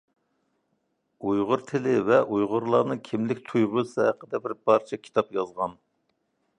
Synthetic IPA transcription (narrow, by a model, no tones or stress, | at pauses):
ujʁʊɾt̪ʰɪlɪvɛʔujʁʊɾlˠɑɾnɨkʲʰɪmlɪkʲt̪ʰujʁʊsɨɦæqəd̪ɛbɪɾb̥ɑɾt͡ʃʰɛkʲʰi̥t̪ʰɑpjɑzʁɑn